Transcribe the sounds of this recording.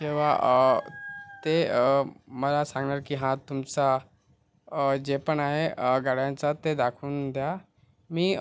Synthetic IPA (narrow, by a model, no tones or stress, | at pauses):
kĩw̃ʋa̰ə | t̪eəməlasãŋɡɳaɾkiːɦãt̪umt͡sa | d͡ʑepəɳaɦeɡaɽjãnt͡sat̪ed̪akʰuːnd̪ja | miː